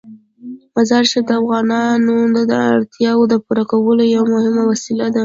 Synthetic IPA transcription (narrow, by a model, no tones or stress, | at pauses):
mazɑɾʃɪb̚d̪əafɣɑnɑnond̪ad̪əa̰ɽt̪jɑwod̪əpuɾakawəlojawamʊhɪmawasilad̪a